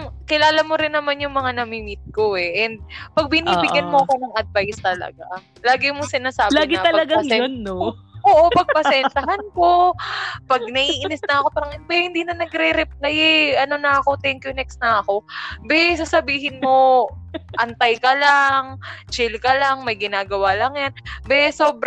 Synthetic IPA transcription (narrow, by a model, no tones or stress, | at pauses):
ŋkɪlaːlɐmo̞ɾɪnːɐmanjʊŋmɐŋanɐmimɪt̪̚ko̞ɛʔɛnd̪̚pɐɡ̚bɪniːbɪɡjɐnmoʔɐkonɐŋʔɐd̪̚vajst̪ɐlɐ̰ɡa | laːɡɪmosɪnaːsaːlaːɡɪɐɐllɐɡaɛonːoʔoːʔo̞pɐɡ̚pɐsɛntɐɦanko̞ | pɐɡ̚nɐʔiːʔɪnɪsnɐɐko̞paːɾɐŋʔɪbɛjhɪnd̪iːnɐnɐɡɾɛɾɛplajɛʔɐno̞nɐɐko̞t̪ɛŋkjonɛksnɐɐko̞bɛsasɐbiːɦɪnmo̞ | ʔɐnt̪ajkɐlaŋt͡ʃɪlkɐlaŋmɐjɡɪnaːɡɐwaːlɐŋjanbɛso̞ːbɾ